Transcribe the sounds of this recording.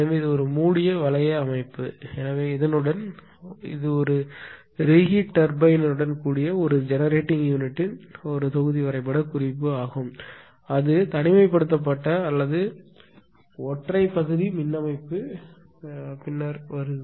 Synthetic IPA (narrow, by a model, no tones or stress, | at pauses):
ɛnɐʋeːɪðɯɔɾɯmuːɽɪjɐʋɐlɐjɐɐmɐɪpːɯɛnɐʋeːɪðɐnɯɽɐn | ɪ̰ðɯɔɾɯ | ɾɪɣiʈːɐɾbɐɪnɐɾɯɽɐnkuːɽɪjɐɔɾɯd͡ʒɛnɐɾeːʈːɪŋjuːnɪʈːɪnɔɾɯt̪ɔɣɯðiʋɐɾɐɪpːɐɽɐkʊrɪpːɯaːɣɯm | ɐðɯt̪ɐnɪmɐɪpːɐɽɯt̪ːɐp̬ːɐʈːɐːlːɐðɯ | ɔʈrɐɪpːɐɣɯðimɪnːɐmɐɪpːɯ | pɪnːaɾʋɐɾɯ